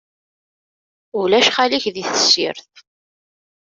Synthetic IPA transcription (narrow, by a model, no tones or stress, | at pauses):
ʊlæʃχaliçðiθə̥sːḭɾθ